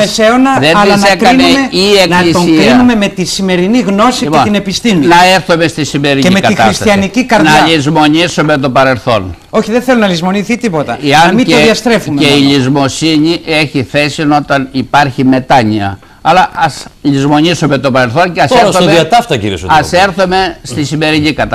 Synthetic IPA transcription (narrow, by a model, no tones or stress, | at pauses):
meseonɐðeniɐzkɾɐinemeienɐiosikɾinumemet̪isime̞ɾiniɣno̞siieot̪inepist̪imunɐeɾθome̞st̪isime̞ɾineimetkɐixɐɾsist̪ɐɐnicikɐɾnɐʎizmo̞ɲisome̞t̪o̞pɐɾe̞lθo̞n | o̞çiðenθelunɐlizmo̞niθit̪ipo̞t̪ɐeɐnmioðiɐst̪ɾe̞fumeeiʎizmo̞siɲiʔe̞çiθe̞sino̞t̪ɐnipɐɾçime̞t̪ɐɲiɐ̰ | ɐlɐʔɐsʎizmo̞ɲisume̞t̪o̞pɐɾelθo̞nceɐseɾsomiɐt̪ɐft̪ɐcḭɾiḛso̰ɐse̞ɾθome̞st̪isime̞ɾiɲikɐt̪ɐ